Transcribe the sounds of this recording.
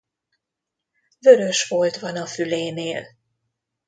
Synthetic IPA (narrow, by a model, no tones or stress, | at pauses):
vø̞ɾø̞ʃʋoːlt̪ʋɒnɒfyleːneːl